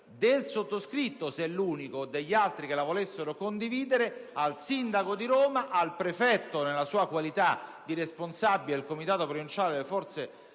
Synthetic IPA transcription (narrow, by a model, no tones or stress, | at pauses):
d̪elsot̪ːoskɾit̪ːosɛlːuːnikod̪eʎːalt̪ɾikelavolesːeɾokond̪iviːd̪eɾealsind̪akod̪iɾoːmaʔalpɾefɛt̪ːonelasuːakwalit̪ad̪iɾesponsabːiled̪elkomit̪aːt̪opɾovint͡ʃaːled̪elefɔrt̪se